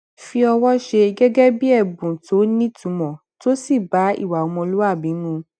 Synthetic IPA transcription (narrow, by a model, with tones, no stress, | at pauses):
fi˧ɔ˧wɔ˦ʃe˧ɡɛ˦ɡɛ˦bi˦ɛ˦˨bũ˨to˨˦nĩ˦tũ˨˦mɔ̃˨ | to˦si˦˨ba˨˦ḭ˦˨wa˨o˨˧mɔ̃˧lu˦a˦˨bĩ˨˦nũ˦